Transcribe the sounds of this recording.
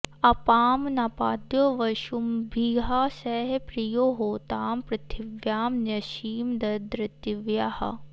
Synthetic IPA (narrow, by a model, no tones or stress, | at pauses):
ɐpaːmnaːpaːd̪joːʋɐʃumbʱiɦasɛːɦepɾijoːɦoːt̪aːmpɾɐt̪ʰiʋjaːmnɐʃiːmd̪ɐd̪ɾɐt̪iʋjahɐ̰